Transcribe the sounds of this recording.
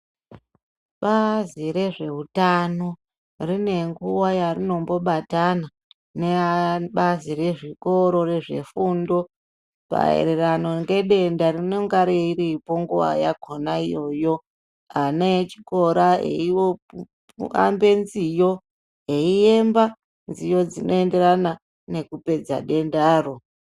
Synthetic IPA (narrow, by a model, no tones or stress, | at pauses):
ɓaziɾe̞ʐe̞ɦutano̞ | rine̞ŋɡuwajarino̞mbo̞ɓatana | neɓazire̞ʐiko̞ɾo̞re̞ʐe̞̰fundo̞ | pa̰ḛɾerano̞ŋɡe̞ɗe̞ndarino̞ŋɡaɾeiɾipo̞ŋɡuʋa̰jakonaijo̞jo̞ | aneːt͡ʃi̥ko̞ɾaḛio | a̰mbe̞nzijo̞ | eie̞mba | nzijo̞d͡zino̞ende̞ɾana | ne̞kupe̞d͡za̰ɗe̞ndaːro̞